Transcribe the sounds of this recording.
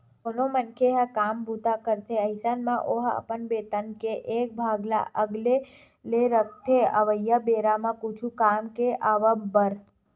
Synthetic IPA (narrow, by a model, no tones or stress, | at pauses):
konomənkʰeɦəkambʱut̪akəɾt̪ʰeəɦsanmãʔoɦə̰pənbet̪ənkeʔek̚bʱaɡla̰ʔəɡle | leɾək̚ʰt̪ʰeə̰ʋəjabeɾamãkut͡ʃʰukamkeʔaʋəmbəɾ